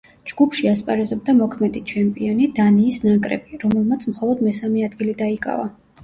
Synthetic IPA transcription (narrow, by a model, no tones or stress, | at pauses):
d͡ʒɡupʰʃiaspʼaɾɛzɔb̚d̪amɔkʰmɛd̪it͡ʃʰɛmpʼiɔnid̪aniːsnakʼɾɛ̰biɾɔmɛlˠmat̪sʰmχɔlˠɔd̪mɛsamɛad̪ɡilid̪aikʼa̰va